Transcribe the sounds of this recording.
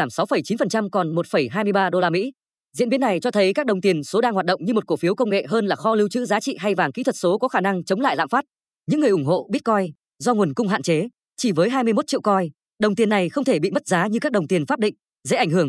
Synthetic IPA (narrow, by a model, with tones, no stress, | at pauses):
aː˧˩msa˨˦wfə˧˩jt͡ɕi˨˦nfə˨˩nt͡ɕa˧mkɔ˨˩nmo˨˩t̚fə˧˩jɦaː˧jmɨ˧əjɓaː˧ɗo˧laː˧mḭ˧˥ | zḭ˧˥nɓi˨˦ənːa˨˩jt͡ɕɔ˧t̪ʰə˨˦jkaː˦˥k̚ɗə˨˩wŋ͡mt̪i˨˩ənso˨˦ɗaː˧ŋhaː˨˩t̚ɗə̰˧˨ŋ͡mɲɨ˧mo˨˩t̚ko˧˩fi˨˦əwkə˧wŋ͡mŋḛ˧˨ɦəː˧nlaː˨˩xɔ˨˦li˨˦wt͡ɕɨ̰˧˥zaː˨˦t͡ɕḭ˧˨ɦa˧jvaː˨˩ŋkḭ˧˥t̪ʰə˨˩t̚so˨˦kɔ˨˦xaː˧˩na˧ŋt͡ɕə˨˦ŋ͡mla̰ː˧˨jla̰ː˧˨mfaː˦˥t̚ | ɲɨ̰˧˥ŋːɨ˨˩əjʔʊ˧˩ŋ͡mɦo̰˧˨ɓi˦˥ət̚kɔ˧j | zɔ˧ŋu˨˩ənkʊ˧ŋ͡mɦa̰ː˧˨nt͡ɕe˨˦ | t͡ɕi˧˩vəː˨˦jɦaː˧jmɨ˧əjmo˦˥t̚t͡ɕḭ˧˨wkɔ˧j | ɗə˨˩wŋ͡mt̪i˨˩ənːa˨˩jxə˧wŋ͡mt̪ʰe˧˩ɓḭ˧˨mə˦˥t̚zaː˨˦ɲɨ˧kaː˦˥k̚ɗə˨˩ŋ͡mt̪i˨˩ənfaː˦˥p̚ɗḭ̈˧˨ŋ̟ | zə̰˧˥ʔa˧˩ŋ̟hɨ˧˩əŋ